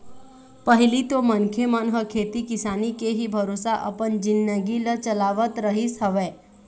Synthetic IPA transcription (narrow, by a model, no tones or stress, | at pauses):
pəɦɪlit̪omənkʰemənɦəkʰeːt̪ikɪsaːnikeɦibʱəɾoːsaʔɐ̰pənd͡ʒɪnːəɡilət͡ʃəlaːʋət̪ɾəɦisɦɐʋeː